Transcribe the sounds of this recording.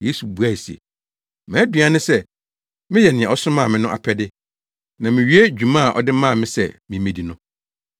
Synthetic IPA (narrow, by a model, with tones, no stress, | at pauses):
je˦su˨bu˨æ˦˨si˨ḛ˨ | mã˨˦dɥa˦nʊ̃˦sɛ˦˨ | mɪ̃˦jɛ˨nɪ̃˨ɛ̃˨ɔ˨˦sʊ̃˦mã˦˨mɪ̃˦nʊ̃˦ʔa̰˨pʰɛ˦dɪ˦ | nã˨mɪ̃˨ɥi˦e˦d͡ʑᶣu˨mã˦˨ʔɔ̰˨dɪ˦mã˦˨mɪ̃˦sɛ̰˨mɪ̃˨mẽ˨di˨nʊ̃˦